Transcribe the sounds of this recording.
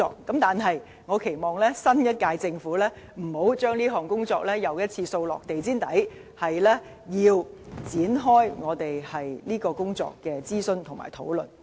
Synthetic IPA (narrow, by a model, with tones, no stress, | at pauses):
ɔ̰ː˧k̚ːɐ˨˥mt̪aː˨nɦɐ˨j | ŋɔː˨˧kʰe˨˩jmɔː˨ŋlɛː˥sɐ˥njɐ˥t̚kaː˧jt͡sɪ˧ŋfuː˨˥lɛː˥ | m̩˨˩ho˨˥wt͡ʃœː˥ŋliː˥ɦɔː˨˩ŋkʊ˥ŋt͡sɔː˧k̚lɛː˥jɐ˨˧wjɐ˥t̚t͡sʰiː˧so˧wlɔ̰ː˨k̚t̪e˨˩jt͡siː˥nt̪ɐ˨˥j | hɐ˨jlɛː˥ | jiː˧wt͡siː˨˥nɦɔː˥jŋɔː˨˧t̪e˨jhɐ˨jliː˥kɔː˧kʊ˥ŋt͡sɔ̰ː˧kːɛː˧t͡siː˥sɵ˧nt̪ʰʊ˨˩ŋma̰ː˨˩jt̪ʰo̰˨˥wlɵ̰˨˩n